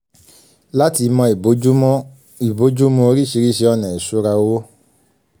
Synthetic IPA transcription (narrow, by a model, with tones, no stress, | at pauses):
la˦ti˧mɔ̃˧i˨o˨˦u˦ | i˨bo˨˦d͡ʒu˦mũ˧o˧ɾi˦ʃi˧ɾi˦ʃe˧ɔ˧nɛ̃˨i˨su˨˦ɾa˧wo˦